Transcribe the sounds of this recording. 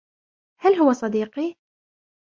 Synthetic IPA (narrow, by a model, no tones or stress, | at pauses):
halɦʊwasˤɑd̪iːqi